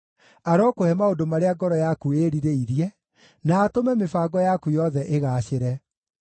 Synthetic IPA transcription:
aɾɔkohɛmaodomaɾeaɡɔɾɔjakueɾiɾeiɾjɛ | naːtomɛmefaɡɔjakujɔðɛʔeɣaɕeɾɛ

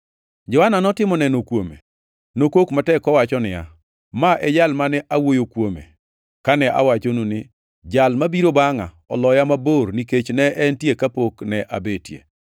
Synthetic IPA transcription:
d͡ʒɔhananɔtɪmɔnɛnokwomḛ | nokokmatɛkɔwat͡ʃɔnɪja̰ | maʔɛd͡ʒalmanɛʔawojokwomḛ | kanɛʔa̰wat͡ʃonunɪ | d͡ʒalmabiɾobaŋa̰ | ɔlɔjamaborniket͡ʃnɛʔɛntjekapoknɛʔa̰betjḛ

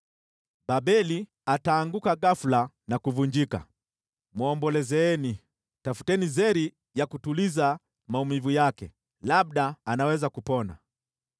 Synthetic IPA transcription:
babɛli | ataːŋɡukaɡafula | nakuvuɲd͡ʒika̰ | mwɔmbɔlɛzɛːni | tafu̥tɛnizɛɾi | jakutuliza | maumivujakɛ̰ | lab̚ɗaːnawɛzakupɔna̰

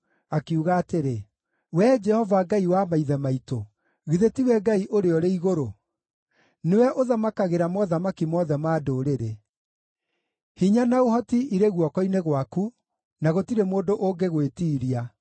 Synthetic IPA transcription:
akeuɣaːteɾe | wɛd͡ʒɛhɔvaɡaiwamaiðɛmaito | ɣiðetiwɛɡaiʔoɾeɔɾeiɣoɾo | newɛʔoðamakaɣeɾamɔðamakimɔðɛmaːdoːɾeɾe | hiɲanaoɦɔtiiɾeɣwɔkɔineɣwaku | naɣotiɾemoːndoʔoŋɡeɣwetiːɾia

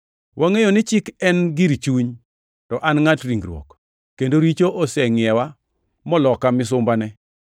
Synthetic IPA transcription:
wʔaŋejonɪt͡ʃɪkɛnɡiɾit͡ʃuɲ | tɔʔanŋatɾiŋɡɾwɔ̰k | kːendoɾit͡ʃoʔɔsɛŋɪɛwa | mɔlɔkamɪs̬ʊmbanɛ

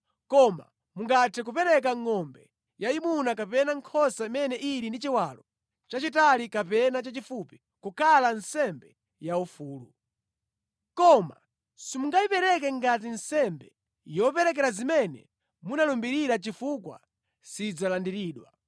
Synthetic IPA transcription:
kɔma̰ | muŋɡatʰɛk̬upɛɾɛk̬aŋːɔmbɛ | jaimunakapɛnaŋkʰɔsaimɛnɛʔiɾindit͡ʃiwalɔ | t͡ʃat͡ʃitalikapɛnat͡ʃat͡ʃifupi̥ | kukʰalansɛmbɛ | jaufuːlu | kɔma̰ | simuŋɡaipɛɾɛk̬ɛŋɡatinsɛmbɛ | jɔpɛɾɛk̬ɛɾazimɛnɛ̰ | munalɔmbiɾiɾat͡ʃifukwa̰ | sid͡zalandiɾiːɗwa̰

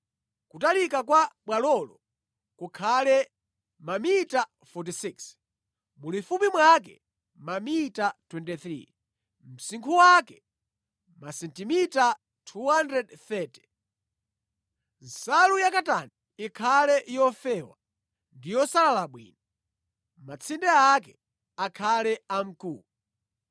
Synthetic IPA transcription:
kutalikakwaɓwalɔlɔ̰ | kukʰalɛ | mamita | fɔt̬isiks | mulifupimwak̬ɛ̰ | mamitatwɛntiθɾḭ | m̩siŋkʰuwakɛ | masɛntimita | tʰuhandɾɛdθɛtɛ̥ | n̩salujakataniːkʰalɛʔjɔfɛːwa̰ | ndijɔsalalaɓwḭːna | mat͡sʰindɛakɛ | akʰalɛam̩kuːlu

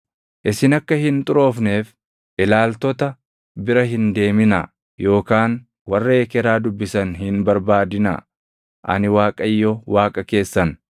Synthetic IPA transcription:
ʔɪsɪnɐkːɐhɪnt̪ʼʊɾo̞ːfneːf | ʔɪlaːlt̪ɔt̪ɐ | bɪɾɐɦɪnd̪e̞ːmɪnɐ̰ | jo̞ːkaːn | wɐrːeːkɛɾaːd̪ʊbːɪsɐnhɪnbɐɾbaːd̪ɪnɐ̰ | ʔɐ̰nɪwaːkʼɐjːɔwaːkʼɐke̞ːsːɐn

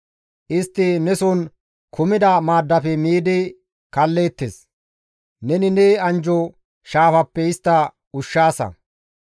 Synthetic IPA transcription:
ʔɪst̪ːɪnɛsʊn | kʰʊmɪd̪ɐmaːd̪ːɐfɛmiːd̪ɪ | kɐlːe̞ːt̪ːes | nɛnɪneɐnd͡ʒɔ | ʃaːfɐpːɛɪst̪ːɐ | ʊʃːaːsɐ̰

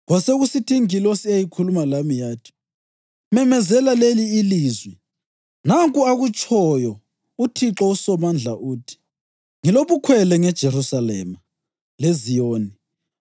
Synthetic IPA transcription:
ɣwaseɣusitʰiŋilosiajikʰulumalamijaːtʰi̥ | mɛmɛzɛlaleliːliːzwɛ | naŋkʼuaɣut͡ʃʼʰɔjɔ | utʰiǁɔusɔmand͡ɮʱa̰ʔuːtʰi̥ | ŋiloβukʰwɛlɛŋɛd̥ʒ̥ʱerusalɛ̰ːma | lezijoːni

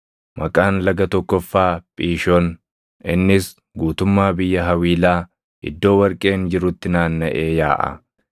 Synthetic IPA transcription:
mʔɐkʼaːnlɐɡɐt̪ɔkːɔfːaːpʼiːʃɔn | ɪnːɪs | ɡuːt̪ʊmːaːbɪjːɐɦɐwiːlaː | ʔɪ̰d̪ːo̞ːwɐɾkʼe̞ːnd͡ʒɪɾʊt̪ːɪnaːnːɐʔeːjaːʔɐ̰

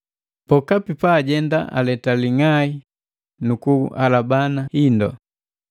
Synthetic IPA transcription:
pɔkapipaːɟɛnda̰ʔa̰lɛtaliŋai | nukualabanahindɔ̰

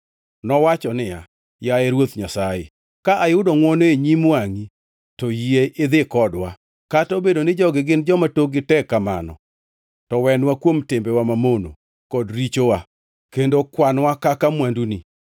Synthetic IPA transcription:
nɔwat͡ʃɔnɪja̰ | jaɛɾwot̪ɲasajḛ | kaʔajʊdoŋwɔnoeɲimwaŋi | tɔjieʔɪd̪ɪkɔdwa | katobedonɪd͡ʒɔɡɪɡɪnd͡ʒɔmatoɡɪtɛkːama̰nɔ̰ | tɔwɛnwakwomtɪmbɛwamamono̰ | kɔdɾit͡ʃowa | kendokwanwakakamwanduni

